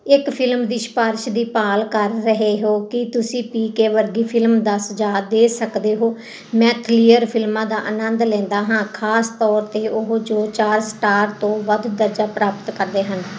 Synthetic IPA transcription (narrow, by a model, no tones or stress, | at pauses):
ɪkpʰɪlmd̪iːʃpaːɾʃd̪iːpaːlkəɾːəɦeːɦoːkɪt̪ʊsĩːpiːkeːʋəɾɡiːpʰɪlmd̪əsd͡ʒaːd̪eːsəkd̪eːɦoː | mɛ̃ːkʰliːəɾpʰɪlmãːd̪aːʔənənd̪lɛ̃ːnd̪aːɦãːkʰaːst̪ɔːɾt̪eːʔʊɦd͡ʒoːt͡ʃaːɾsʈaːɾt̪õːʋəd̪d̪əɾd͡ʒaːpɾaːpət̪kəɾd̪eːɦən